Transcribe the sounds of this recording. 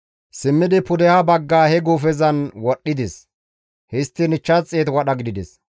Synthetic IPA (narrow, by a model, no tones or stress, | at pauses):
sɪmːɪd̪ɪpʊd̪ɛhɐbɐɡːaːhɛɡuːfɛzɐnwɔɗːɪd̪ɛs | hɪst̪ːɪnɪt͡ʃːɐt͡sʼːeːt̪wɐɗɐɡɪd̪ɪd̪ɛs